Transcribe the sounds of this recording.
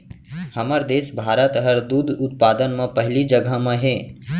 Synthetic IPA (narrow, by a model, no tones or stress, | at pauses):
hɐməɾd̪eːʃbʱaːɾət̪ɦəɾd̪uːd̪ʱʊt̪̚paːd̪ənmẽpɐɦlid͡ʒəɡʱəmẽɦɛː